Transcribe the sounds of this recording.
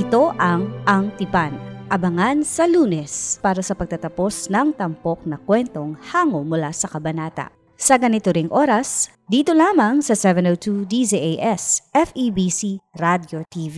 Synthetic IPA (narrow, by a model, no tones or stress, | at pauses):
ɪt̪o̞ʔɐŋʔɐŋt̪ɪpanʔɐbɐŋansɐluːnɛspaːɾɐsɐpɐɡ̚t̪ɐt̪ɐpo̞snɐŋt̪ɐmpo̞k̚nɐkwɛnt̪o̞ŋhaːŋomʊlasɐkɐbɐnaːt̪ɐ̰ | sɐɡɐnɪt̪oɾɪŋʔoːɾɐs | d̪iːt̪o̞laːmɐŋsɐsɛvɛnowt̪ʰud̪iziʔejʔɛsʔɛfibisiɾad̪jot̪iːvi